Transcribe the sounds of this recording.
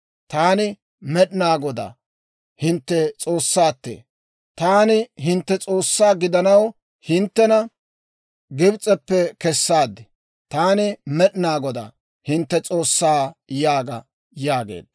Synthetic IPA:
t̪aːnɪ | mɛɗnaːɡɔd̪a̰ː | hɪnt̪ːɛt͡sʼo̞ːsːaːt̪ːḛː | t̪aːnɪɦɪnt̪ːɛt͡sʼo̞ːsːaːɡɪd̪ɐnɐw | hɪnt̪ːɛnɐ | ɡɪbt͡sʼɛpːɛkɛsːaːd̪ːɪ | t̪aːnɪmɛɗɪnaːɡɔd̪a̰ː | hɪnt̪ːɛt͡sʼo̞ːsːaːjaːɡɐ | jaːɡḛːd̪

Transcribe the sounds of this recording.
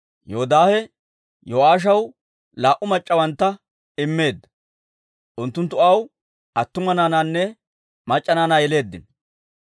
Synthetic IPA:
joɔd̪aːhɛ | jowaːʃ̬ɐw | laːʔʊmɐt͡ʃʼːɐwɐnt̪ːɐ | ɪmːe̞ːd̪ːɐ | ʔʊnt̪ːʊnt̪ːʊɐw | ʔɐt̪ːʊmɐnaːnaːnːɛ | mɐt͡ʃʼːɐnaːnaːjɛle̞ːd̪ːɪn

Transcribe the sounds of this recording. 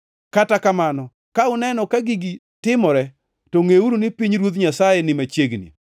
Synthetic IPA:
katakamanɔ | kaʊnɛnɔkaɡɪɡɪ | tɪmɔɾɛ | toŋeuɾunɪpiɲɾwot̪̬ɲasajɛnɪmat͡ʃeɡnḭ

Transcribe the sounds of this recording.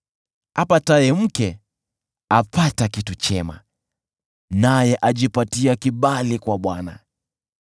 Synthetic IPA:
hapatajɛm̩kɛ | apatakitut͡ʃɛma̰ | najɛʔaʄipatiakiɓalikwaɓwana̰

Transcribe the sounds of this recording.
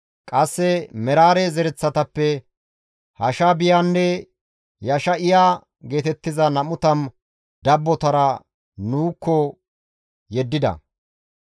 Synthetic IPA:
kʼɐsːɛmɛɾaːɾezɛɾɛt͡sːɐt̪ɐpːɛ | hɐʃaːbɪjanːɛ | jɐʃɐʔɪjaː | ɡe̞ːt̪ɛt̪ːɪzɐnɐmʊt̪ɐn | d̪ɐbːɔt̪ɐɾɐ | nuːkːɔ | jɛd̪ːɪd̪ɐ̰

